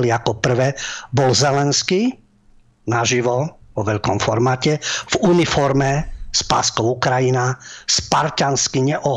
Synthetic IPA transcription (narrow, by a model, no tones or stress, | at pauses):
liakɔpr̩ʋɛːbɔlzɛlɛnski | naʒiʋɔʋɔʋɛʎkɔmfɔɾmaːcɛvunifɔɾmɛspa̰ːskɔʊukɾajinaspaɾcanskiɲɛʔɔɦ